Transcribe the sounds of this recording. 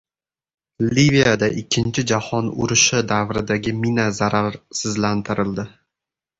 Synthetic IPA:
livijad̪aʔɪkʲʰːɪnt͡ʃʰɪd͡ʒahɒnʊ̰ɾɪʃɪd̪avɾɪd̪aɡʲɪminazaɾaɾsɪzlant̪ʰɪɾɪld̪ɪ

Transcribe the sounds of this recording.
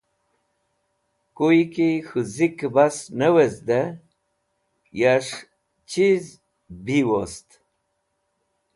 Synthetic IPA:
kujkixɨzikbasnəwezd̪e | jaʂ | t͡ɕiz | biwost̪

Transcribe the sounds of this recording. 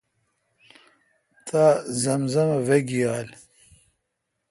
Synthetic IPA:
t̪ʰaːzɐmzɐmɐveɡijaːl

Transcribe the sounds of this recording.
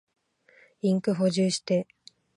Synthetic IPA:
ĩŋkɯ̟ɦo̞ʑɨːɕi̥t̪e̞

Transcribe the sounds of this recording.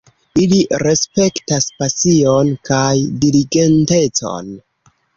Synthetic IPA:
iliɾe̞spe̞ktaspasio̞nkajdiliɡe̞nte̞t͡so̞̰n

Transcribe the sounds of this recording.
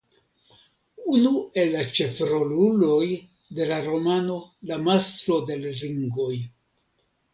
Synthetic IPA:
unue̞lːat͡ʃe̞fɾo̞lulo̞j | de̞laɾo̞mano̞lamast̪ɾo̞de̞lɾiŋɡo̞j

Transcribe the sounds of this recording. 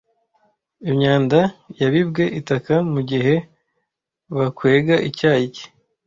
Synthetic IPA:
imɲaːndajaβibɡe̞ʔitakamuɟiɦe̞ | βakwe̞ːɡaʔicaːici̥

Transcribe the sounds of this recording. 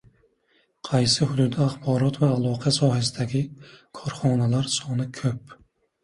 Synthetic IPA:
qʰɑjsɪhʊd̪ud̪ɛɑχbɒːɾɔt̪vɛːlˠɒːqʰɛsɒːɦɛsɪd̪ɛɡʲikʰɔɾχɒnɛlaɾsɔnɨkʲʰøp̚

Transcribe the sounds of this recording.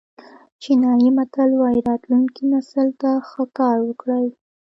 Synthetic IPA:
t͡ʃinɑjimat̪alwɑjiɾɑt̪luŋkinasəlt̪axəkɑɾwəkɽəl

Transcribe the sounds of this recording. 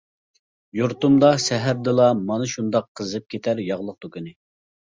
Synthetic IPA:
juɾt̪umd̪ɑsɛɦæɾd̪ɨlˠɑmɑnɨʃund̪ɑqʰːəzɨp̚kʲʰet̪ʰæɾjɑʁlˠəq̚t̪ukʲynɪ

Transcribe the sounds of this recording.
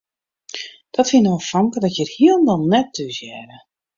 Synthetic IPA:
d̥ɔtfinofɔŋkədɔtjəthiəlˠndɔlˠnɛtːysjɛrə

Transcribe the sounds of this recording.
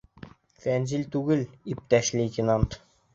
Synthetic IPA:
fænzʲilʲt̪ʉɡɘlip̚t̪æʃlʲet̪ʲinant̪

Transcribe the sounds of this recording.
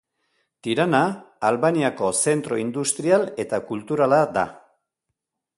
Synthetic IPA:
t̪iɾanaːlβaniako̞se̞nt̪ɾo̞ind̪ust̪ɾiale̞t̪akult̪uɾalad̪a̰

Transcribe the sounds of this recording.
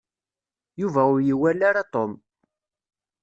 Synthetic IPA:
juvæʊɾjiwælːaɾat̪ˤom

